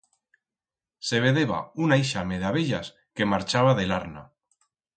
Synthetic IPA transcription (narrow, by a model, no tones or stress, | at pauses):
se̞β̞e̞ðeβa̰unaiʃame̞ðaβeʎas | ke̞maɾt͡ʃaβaðelaɾna̰